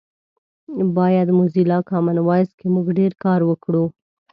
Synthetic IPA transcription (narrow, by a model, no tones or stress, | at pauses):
bɑjad̪muzilɑkɑmanwɑjskemuɡɖeɾkɑɾwəkɽu